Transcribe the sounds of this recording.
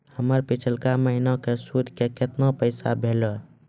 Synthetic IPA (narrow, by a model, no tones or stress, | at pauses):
həməɾpit͡ʃʰəlkaməɦinakesud̪ʱkeket̪napəɪsabʱelɔ